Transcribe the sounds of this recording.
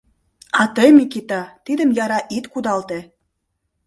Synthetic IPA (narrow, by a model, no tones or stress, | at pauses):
ɑt̪ɤjmikit̪ɑt̪id̪ə̆mjɑɾɑʔit̪kud̪ɑlt̪ĕ